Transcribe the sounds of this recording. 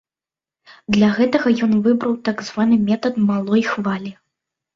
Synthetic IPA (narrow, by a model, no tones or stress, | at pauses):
d̪lʲaɣɛt̪ɐɣɐjɔnvɨbɾɐwt̪aɡzvanɨmʲɛt̪ɐt̪malˠɔjxvalʲi